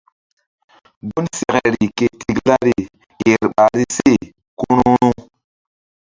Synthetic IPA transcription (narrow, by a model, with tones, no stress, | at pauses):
bu˦nse˨ɣe˨ɾi˨ke˨ti˨ɡla˦ɾi˨ | ke˨ɾɓa˨ɾi˦se˦˨ | ku˦nu˦ɾu˦